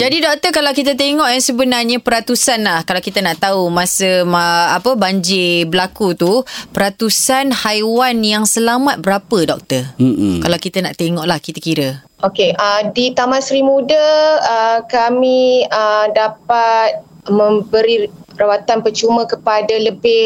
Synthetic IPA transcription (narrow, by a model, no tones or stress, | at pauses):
d͡ʒadidɔk̚t̪əkalawkit̪̬at̪̬eŋɔʔjaŋsəbənarɲapəɾat̪usanlahkalawkit̪anaʔt̪aumãsəmaapəbaɲd͡ʒɪbəlakut̪upəɾat̪usanhajwanjaŋsəlamat̪̚bəɾapədɔk̚t̪ərkalawkit̪ana̰ʔt̪eŋɔʔlahkit̪akiɾə | ʔokeʔədit̪amãsɾimudəəkamiədapat̪̚ | mə̃mbəɾirawat̪anpət͡ʃumə̃kəpadaləbɪ